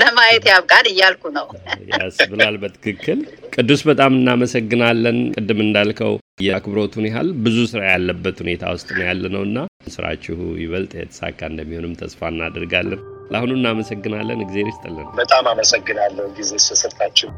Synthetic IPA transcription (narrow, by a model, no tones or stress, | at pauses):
ləmajɛt̪jaβkʼanɨjːalkunəwja̰sbɨlalbət̪ʰɨ̥kʰɨkːɨlkʼɨd̪ːusbət̪ʼamɨnːaməsəɡːɨnalːənkʼɨd̪ːɨmɨnd̪alkʰə̰w | jɛkʰɨbɾo̞t̪ʰunjɪɦa̰lbɨzusɨɾajalːəbːət̪hune̞t̪ʰa̰wʊst̪ʼnəjalːənəwɨnːasɨɾa̰t͡ʃːɪhṵjɪβəlt̪ʼjɛ̰t̪ʰə̥sa̰kʼːaɨnd̪əmːiho̞nɨmt̪ʰəsfaɨnːa̰d̪əɾɡalːənlʔa̰hunuɨnːaməsəɡːɨnalːə̰nɨɡze̞ɾɪst̪ʼəlːənwbət̪ʼamaməsəɡːɨnalːəhuɡize̞səsəɾt̪ʰat͡ʃːɪw